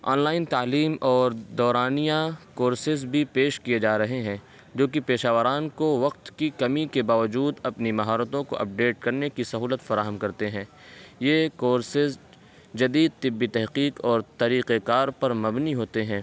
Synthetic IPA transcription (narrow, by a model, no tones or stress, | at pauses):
ɔ̰ːnlaːɪnt̪aːliːmɔːɾd̪ɔːɾaːnijãkoːɾsɪzbʱipeːʃkijed͡ʒaːɾɐɦeɦɛ̃ː | d͡ʒoːkipeːʃaːʋəɾaːnkoʋɐq̚t̪kikɐmikebaːʋəd͡ʒuːd̪ɐpnimɐɦɔːɾət̪õko̰ʔɐ̰p̚ɖeːʈ̚kɐɾnekisɐɦuːlət̪fɐɾaːɦəmkɐɾt̪eɦɛ̃ː | jeːkoːɾsɪz | d͡ʒɐd̪iːd̪̚t̪ɪbːit̪ɛɦqiːqɔːɾt̪ɐɾiːqekaːɾpɐɾmɐbniɦoːt̪eɦɛ̃ː